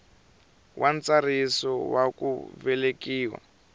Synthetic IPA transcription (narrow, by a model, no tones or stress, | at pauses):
wʔant͡sarisɔwakṵvɛlekiːwa̰